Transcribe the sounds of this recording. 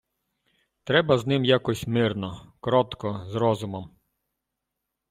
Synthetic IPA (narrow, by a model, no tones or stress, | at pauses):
t̪ɾɛbɐznɪmjakɔsʲmɪrnɔkɾɔt̪kɔzɾɔzʊmɔm